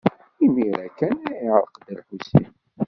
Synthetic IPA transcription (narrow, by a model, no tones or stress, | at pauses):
imiɾækːænæiʕɾˤəqd̪əlħusḭ